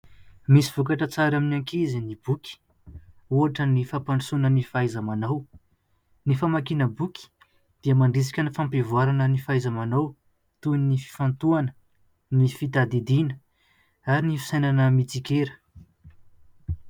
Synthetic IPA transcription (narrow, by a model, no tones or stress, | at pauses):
misiv̥ukaʈ͡ʂət͡saɾaminaŋkizinibukʲi̥ | uaʈ͡ʂənifapaɳɖ͡ʐisunənifajzamanaw | nifamakinəbukʲi̥ | d̪̥iəmaɳɖ͡ʐis̬i̥kʲənifampevuaɾanənifajzamanaw | t̪uninifi̥fant̪uanə̥ | nifit̪ad̪id̪inə̥ | aɾinifi̥sajnanəmit͡sikʲeɾə̥